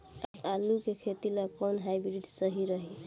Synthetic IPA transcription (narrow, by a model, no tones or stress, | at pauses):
abalukekʰet̪ilakɔnɦajbɾiɖsʌɦiɾəɦi